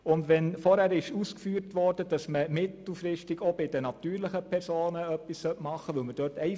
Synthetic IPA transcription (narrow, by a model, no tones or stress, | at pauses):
ʊndʋɛnfɔɾhæɾɪʃuːskfyːɾtʋɔrdəd̥ɑsməmɪtl̩fɾɪʃtɪɡobɪdənɑtyːɾlɪχəpʰɛɾsoːnəœpːissœtmɑχːəʋɵlməd̥øːtʰɛɪ